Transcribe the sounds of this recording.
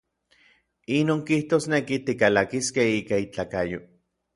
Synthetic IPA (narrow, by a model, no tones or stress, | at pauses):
inoːŋkiht̪oːsnekit̪ikalakiskehiːkait͡ɬaːkajo